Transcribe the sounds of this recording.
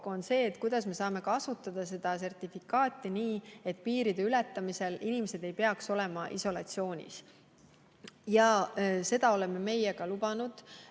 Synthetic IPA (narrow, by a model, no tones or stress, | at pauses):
konse̞ːt̪kujd̪̥ɑsme̞sɑːme̞kɑsut̪ːˑɑd̪̥ɑse̞d̪̥ɑs̬e̞rt̪ifikːˑɑːt̪ːˑiniːe̞t̪ːpiːɾid̪e̞ylɛt̪ːˑɑmise̞linʲimese̞d̪̥e̞jpe̞ɑkso̞le̞mɑʔḭso̞lɑ̰t̪sio̞ːnʲḭs | jɑse̞d̪̥ɑo̞le̞me̞me̞jeɡ̥ɑlubɑnud̪̥